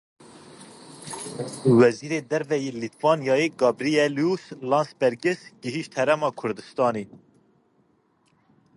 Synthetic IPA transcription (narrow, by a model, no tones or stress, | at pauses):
wɛziːɾeːd̪ɛɾvɛjeːlit̪ʰvɑːnijɑːjeɡɑːbɾiɛljuslɑːnsbɛɾɡɪsɡɨɦiʃt̪hɛɾɛmɑːkʰʊɾd̪ɨst̪ɑːniː